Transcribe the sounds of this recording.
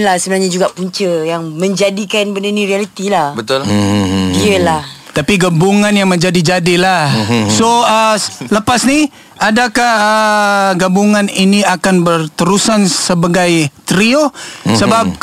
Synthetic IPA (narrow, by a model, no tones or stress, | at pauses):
nlahsəbənaɲad͡ʒuɡaʔpuɲt͡ʃəjaŋmə̃ɲd͡ʒadikanbəndəniɾialit̪ilahbət̪ʊldiəlaht̪apiɡabuŋanjaŋməɲd͡ʒadid͡ʒadilahsoələpasni | adakahəɡabuŋaniniakanbərt̪əɾusansəbaɡajt̪ɾiosəbap̚